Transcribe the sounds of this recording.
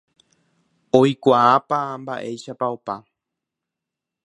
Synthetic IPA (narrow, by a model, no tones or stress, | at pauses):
ojkʷaːpamba̰ʔe̞jʃapaopa